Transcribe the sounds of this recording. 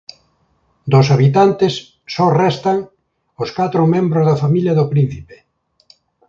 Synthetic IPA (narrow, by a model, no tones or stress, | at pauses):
d̪ʊsaβit̪ant̪ɪsː | ɔrɛst̪aŋ | ʊskat̪ɾʊmẽmbɾozðɐfamiljɐðʊpɾin̟θipe̥